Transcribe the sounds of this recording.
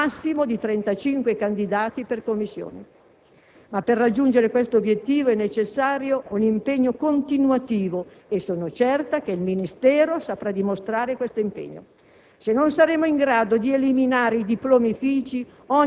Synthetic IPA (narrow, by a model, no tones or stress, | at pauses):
asːimod̪it̪ɾɛnt̪at͡ʃiŋkwekand̪id̪aːt̪iperkomːisːjo̰ːne | mapːerːad͡ʒːund͡ʒeɾekwest̪oobjet̪ːiːvoɛnːet͡ʃesːaːɾjounimpeɲːokont̪inwat̪iːvoesːoːnot͡ʃɛrt̪ak̟eilminist̪ɛːɾosapɾad̪imost̪ɾaːɾekwest̪oimpḛɲːo̰ | senːonsaɾeːmoiŋɡɾaːd̪od̪ieliminaːɾeid̪iploːmifiːt͡ʃi | ɔ